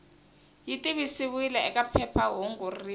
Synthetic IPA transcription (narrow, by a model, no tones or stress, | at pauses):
jitʼiβisiwilɛɛkʼapʰɛpʰaɦoŋɡoriː